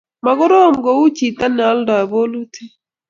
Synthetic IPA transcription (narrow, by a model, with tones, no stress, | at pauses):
ma˨ɡʊ˦ɾo˦˨mɡɔ˨u˦t͡ʃi˨t̪a˦nɛ˨a˦lda˨bo˦lu˦tʰi˦